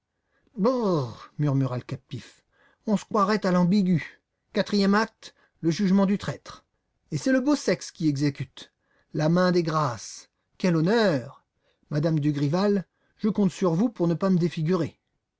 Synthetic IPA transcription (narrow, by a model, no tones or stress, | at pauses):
bomyʁmyʁaləkap̚t̪if | ɔ̃sə̥kχwaʁɛt̪alɑ̃biɡʲy | kat̪χijɛmak̚t̪ | ləʒyʒmɑ̃d̪yt̪χɛt̪χ | esɛləbosɛkskʲiɛɡzekʲyt̪ | lamɛ̃d̪eɡʁas | kʲɛlɔnœʁ | mad̪amd̪yɡʁival | ʒ̥əkɔ̃t̪syʁvupuʁnəpaməd̪efiɡʲyʁe